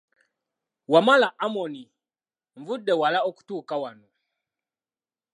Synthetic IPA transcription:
wamalaʔamɔni | ɱvudɛwalaɔku̥tukawanɔ

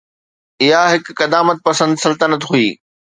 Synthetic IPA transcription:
ɪɦaɦɪkːɐd̪aːmət̪̚pɐsə̃nd̪sɐlt̪ənət̪ɦuiː

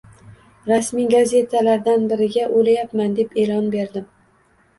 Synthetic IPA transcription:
ɾasmijɡaze̞t̪ʰalaɾd̪anbɪɾɪɡʲaʔolajapmand̪e̞pe̞lɒnbe̞ɾd̪ɪm

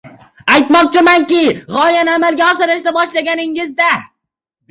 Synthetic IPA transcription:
ajt̪mɒq̚t͡ʃʰɪmaŋkʲɪʁɒjanamalˠɡʲaɒsɪɾɪʃd̪abɒʃlaɡʲanɪŋɪzd̪a

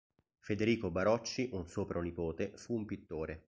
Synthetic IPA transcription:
fed̪eɾiːkobaɾɔt͡ʃːiʔunsoːpɾonipoːt̪efuːmpit̪ːoːɾe

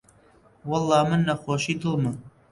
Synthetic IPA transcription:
wɑlˠːɑːmɨnːɐxoːʃiːd̪ɨlˠmɨ

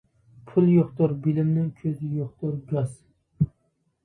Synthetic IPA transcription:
pʰʊlˠjoqt̪ʊɾbɪlɪmnɪŋkʰɵzɪjoqt̪ʊɾɡɒz

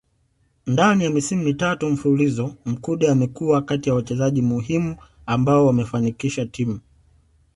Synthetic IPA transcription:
ndanijamisimumitatum̩fuulizɔm̩kuɗiamɛkuwakatijawat͡ʃɛzaʄimuɦimu | ambaɔwamɛfanikiʃatimu

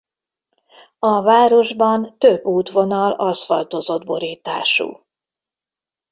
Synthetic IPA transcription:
ɒvaːɾo̞ʒbɒnt̪øbːuːt̪ʋo̞nɒlɒsfɒlt̪ozo̞d̪bo̞ɾiːt̪a̰ːʃṵː

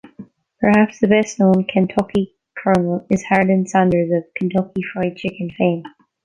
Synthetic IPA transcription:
pʰə˞hæpsðɨbɛstⁿnõʊ̃nkʰɨ̃ntʰʌki | kʰɜ˞nl̩ˠɨz̥haɹdɨ̃nsãndə˞zʌv̥kʰɨ̃n̩tʰʌkifɹaɪd̚t͡ʃʰɪkɨ̃nfẽɪ̃m

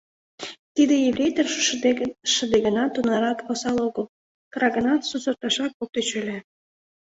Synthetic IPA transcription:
t̪id̪ĕjeβrʲejt̪ər | ʃə̆d̪eɡənɑt̪ːunɑɾɑkosɑloɣəl | kɾɑɣə̆nɑt̪susə̆rt̪ɑʃɑk̚ok̚t̪et͡ɕølʲæ

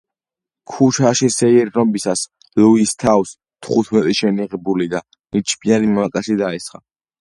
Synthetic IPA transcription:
kʰuʃaʃisɛiɾːɔmbisas | luist̪ʰaws | t̪ʰχut̪ʰmɛt̪ʼiʃɛniʁɛbulid̪a | nit͡ʃʰbʰianimakʼasid̪aɛsχa̰

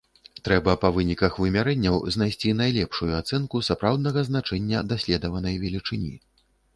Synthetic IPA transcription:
t̪ɾɛbɐpɐvɨnʲikɐxvɨmʲaɾɛnʲːɐwzn̪ajsʲt͡sʲinajlʲɛpʂujuat̪sɛnkusapɾawd̪̚nɐɣɐznat͡ʂɛnʲːɐd̪asʲlʲɛd̪ɐvɐnɐjvʲɛlʲit͡ʂɨnʲḭ

